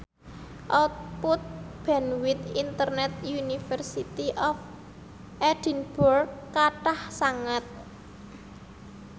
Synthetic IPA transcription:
ʔɔt̪̚put̪̚b̥ɛnwit̪int̪ərnɛt̪̚junifərsit̪iʔɔf | ʔɛd̥i̤nb̥ɔrkaʈahsaŋat̪̚

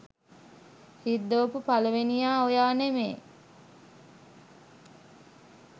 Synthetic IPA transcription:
hid̪ːoːpupaləʋenijaːojaːnemḛː

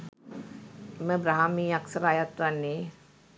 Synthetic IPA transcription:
eməbɾaɦamiːaksəɾaːjat̪ʋanːe

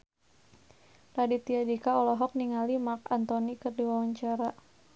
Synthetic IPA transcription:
rɾadit̪iadikaɔlɔɦɔk̚niŋalimakant̪ɔnikərdiwawaɲt͡ʃaɾa

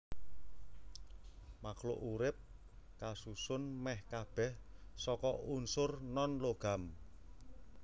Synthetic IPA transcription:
maklʊ̰ʔuɾɪp̚ | kasusʊnmɛhkab̥ɛhsɔkɔʔunsʊrnɔnloɡ̥am

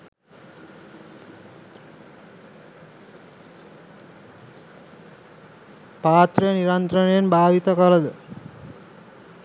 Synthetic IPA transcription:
paːt̪ɾɐniɾɐnt̪ɾɐnɐjenbʱaːʋit̪ɐkɐlɐd̪ə

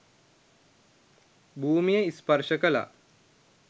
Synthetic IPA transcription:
bʱuːmijeispɐɾʃəkəla̰

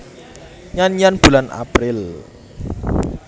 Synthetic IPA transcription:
ɲanijanb̥ulanʔa̰pɾɪl

